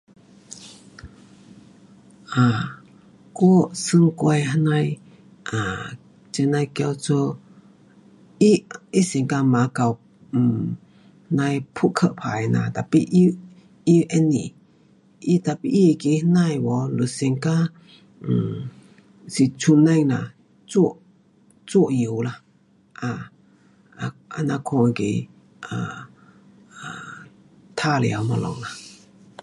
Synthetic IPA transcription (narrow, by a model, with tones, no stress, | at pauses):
ʔa˨ | ku˦sɨ˧ŋku˧a˧jɦə˧˦na˧j | ʔa˨ | t͡ʃɛ˧na˧jka˧wt͡sɔ˧ | i˦ʔi˦sɛ˨ŋka˧ma˨ka˨˧w | hna˧jpʰu˦ʔkʰə˧ʔpʰa̰˨jna̰˧t̪a˨pi˧ʔi | i˦ʔɛ˦nḭ˨ | ʔi˦t̪a˧˨pi˧ʔi˦e˧ke˧hna˧jwɔ˧lu˨sɛ˧ŋka˦˨ | si˧˨t͡sʰu˧nːa˧jŋna̰˨ | t͡su˦ʔ | t͡su˦ʔji˨˧wla˧ | ʔa˧ | a˧na˧kʰɔ˧jɡe˨˧j | a˨ | a˨ | t̪ʰa˧lɛ̰˨a˧wmɔ˧lɔ̰˨ŋla˧